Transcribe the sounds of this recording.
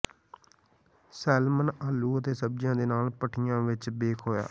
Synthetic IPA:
sɛːlmənaːlːuːət̪eːsəb̚d͡ʒjãːd̪eːnaːlpəʈʰɪjãːʋɪt͡ʃbeːkʰɦoːja̰ː

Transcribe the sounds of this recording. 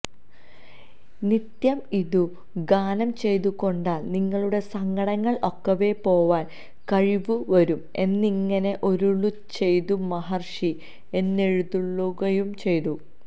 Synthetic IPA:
nit̪jɐmiðu | ɡaːnɐmt͡ɕe̞jt̪uko̞ɳɖaːɭniŋːɐɭuɽe̞sɐŋɡɐɽɐŋːɐɭo̞kːɐʋe̞po̞ːʋaːn | kɐɻiʋuʋɐɾume̞nːiŋːɐne̞ʔo̞ɾuɭːu | t͡ɕe̞jt̪umɐɦɐrʂi | e̞nːe̞ɻuðuɭːuɣɐjumt͡ɕe̞jt̪u

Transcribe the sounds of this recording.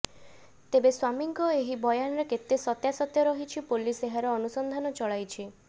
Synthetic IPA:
t̪ebeswamiŋkɔeɦibɔjanɔɾeket̪esɔt̪jasɔt̪jɔɾɔɦit͡ʃʰipoliseɦaɾɔːnusɔnd̪ʱanɔt͡ʃɔɭajt͡ʃʰi

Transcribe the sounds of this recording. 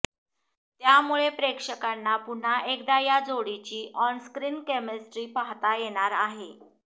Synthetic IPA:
t̪jamuɭepɾekʂəkanːapuɳ̤aʔekd̪ajad͡zoɽit͡ɕiːʔɔnskɾiːnkemesʈɾiːpaɦt̪ajeɽ̃aɾaɦe

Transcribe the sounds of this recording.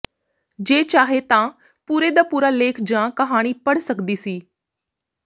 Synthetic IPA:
d͡ʒeːt͡ʃaːɦet̪ãː | puːɾeːd̪aːpuːɾaːleːkʰd͡ʒãːkəɦaːɽ̃iːpəɽ̤səkd̪iːsiː

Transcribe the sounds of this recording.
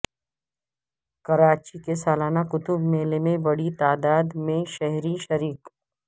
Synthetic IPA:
kɐɾaːt͡ʃikesaːlaːnakʊt̪ʊbmeːlemẽbɐɽit̪aːd̪aːd̪mẽʃɐɦɾiʃɐɾiːk

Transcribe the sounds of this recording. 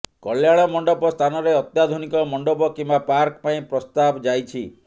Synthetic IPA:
kɔljaɭ̃ɔmɔɳɖɔpɔst̪ʰanɔɾeɔt̪jad̪ʱunikɔmɔɳɖɔpɔkimbapaɾkpaĩpɾɔst̪abd͡ʒajt͡ʃʰi

